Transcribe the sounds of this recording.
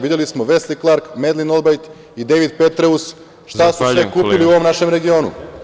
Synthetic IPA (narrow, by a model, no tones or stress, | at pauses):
ʋid̪elismoʋe̞sliklˠaɾkme̞d̪linolbajt̪ | id̪eʋid̪pe̞t̪ɾeus | ʃt̪asusekuːpiliuo̞ʋo̞mnaʃe̞mɾe̞ɡio̞ːnṵ